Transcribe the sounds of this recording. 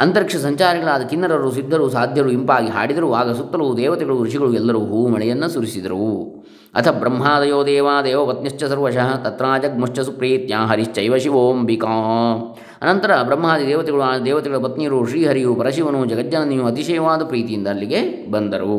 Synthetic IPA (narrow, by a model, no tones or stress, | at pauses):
ɐnt̪ɐɾikʂɐsɐɲt͡ʃaːɾiɡɐɭaːd̪ɐkinːɐɾɐɾusid̪ʱːɐɾusaːd̪ʱjɐɾuimpaːɡiɦa̰ːɽid̪ɐɾuaːɡɐsut̪ːɐɾud̪ɛːʋɐt̪ɛɡɐɭuɾiʂiɡɐɭuɛlːɐɾuːɦuːmɐɭɛjɐnːɐsuɾisid̪ɐɾu | ɐ̰t̪ʰɐbɾɐmːɦaːd̪ɐjoːd̪ɛːʋaːd̪eːʋɐʋɐt̪̚njɐʃt͡ʃːɐsɐɾʋɐʃɐɦɐt̪ɐt̪ɾaːd͡ʒɐɡ̚mɐʂt͡ʃɐsupɾiːt̪jaːɦɐɾiʃt͡ʃɐiʋɐʃiʋoːmbikãː | ɐnɐnt̪ɐɾɐbɾɐmːaːd̪id̪ɛːʋɐt̪ɛɡɐɭuaːd̪ɛːʋɐt̪ɛɡɐɭɐpɐt̪niɐɾuʃɾiːɦɐɾijupɐɾɐʃiʋɐnud͡ʒɐɡɐd̪jɐnɐnijuɐt̪iʃɐjɐʋaːd̪ɐpɾiːt̪ijind̪ɐːlːiɡe | bɐnd̪ɐɾu